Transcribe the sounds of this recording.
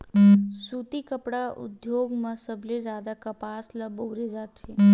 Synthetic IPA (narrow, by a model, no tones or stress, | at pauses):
sut̪ikəpɽaʔʊ̰d̪joːɡmãsəbʱled͡ʒjaːd̪akəpaːsləbəːɾed͡ʒaːt̪t͡ʃʰeː